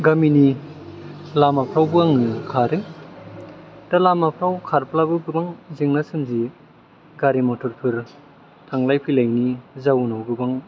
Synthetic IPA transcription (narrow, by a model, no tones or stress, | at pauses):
ɡamini | lamapʰɾawbɯaŋnɯkʰaɾɯ | talamapʰɾawkʰaɾplabɯɡɯbaŋzeŋnasɯmzi | ɡaɾimɔtʰɔɾpʰɯɾ | tʰaŋlajpʰilajnizawnawɡɯbaŋ